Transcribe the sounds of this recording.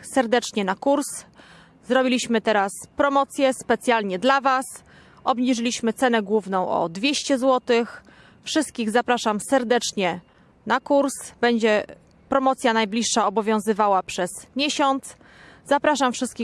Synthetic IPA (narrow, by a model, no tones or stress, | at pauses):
sɛɾd̪ɛt͡ʂɲɛnakuɾs | zɾɔbʲilʲiɕmɘt̪ɛɾaspɾɔmɔt̪sʲjɛspɛt̪sʲjalɲɛd̪lavas | ɔbɲiʐɘlʲiɕmɘt̪sɛnɛɡwuvnɔ̃w̃ʔɔ̰d̪vʲjeɕt͡ɕɛzwɔt̪ɘx | fʂɘst̪̚kʲiɣzapɾaʂamsɛɾd̪ɛt͡ʂɲɛ | nakuɾsbɛɲd͡ʑɛ | pɾɔmɔt̪sʲjanajblʲiʂːaɔbɔvʲjɔ̃w̃zɘvawapʂɛz̥mʲjeɕɔnt̪s | zapɾaʂamfʂɘst̪kʲi